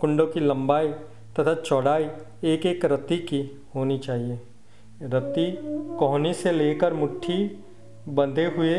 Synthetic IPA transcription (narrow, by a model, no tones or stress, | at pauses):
kʊ̃ɳɖõkilɐ̃mbaːi | t̪ɐt̪ʰat͡ʃɔːɽaːi | eːkeːkɾɐt̪iki | hoːnit͡ʃaːɦieː | ɾɐt̪ikɔɦniseleːkəɾmʊʈʰːi | bɐ̃nd̪eɦʊe